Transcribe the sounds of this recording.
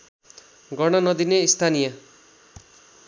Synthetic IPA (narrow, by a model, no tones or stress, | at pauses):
ɡʌɽ̃ʌnʌd̪ineist̪ʰanijʌ